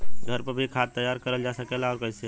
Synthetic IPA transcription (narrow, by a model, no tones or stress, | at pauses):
ɡʱɐɾpɐbʱikʰaːt̪t̪ːəjaːɾkɐɾəld͡ʒaːsɐkeːlaɔːɾkɛɪse